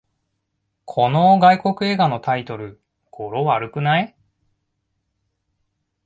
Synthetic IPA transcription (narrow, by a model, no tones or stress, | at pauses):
kʰo̞no̞ɡaiko̞kɯ̟e̞ːɡano̞t̪ait̪o̞ɾɯ̟ | ɡ̥o̞ɾo̞βaɾɯ̟kɯ̟nai